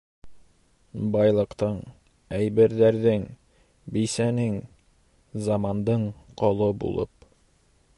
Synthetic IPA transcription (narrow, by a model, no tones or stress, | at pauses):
bɑjlˠɤ̆qt̪ɤɴ | æjbɘ̆ɾðæɾðɘŋ | bijsænɘŋ | zɑmɑnd̪ɤɴqɒlˠɤbṵlˠɤ̰p̚